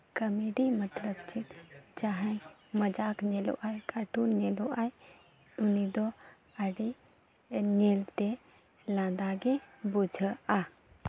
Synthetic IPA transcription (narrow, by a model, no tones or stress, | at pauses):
kəmeɖimət̪ɾəb̚t͡ʃit̪t͡ʃaɦɛ̃jməd͡ʒakɲɛlo̰ʔajkaʈunɲɛloʔaj | unid̪ɔ | əɖi | ɲɛlt̪ɛ | lãd̪aɡɛbud͡ʒʱəa